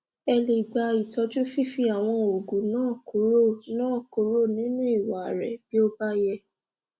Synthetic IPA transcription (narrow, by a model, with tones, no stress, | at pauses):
ɛ˧le˨ɡ͡ba˨˧i˨tɔ˧d͡ʒu˦fi˦fi˧˦a˨w̃ɔ̃˧o˨ɡũ˨nãː˦˨ko˨˦ɾo˦˨nãː˦˨ko˨˦ɾo˦˨nĩ˦nũ˦i˦˨wa˨ɾɛ̰˨b̥i˦o˦ba˦jɛ˧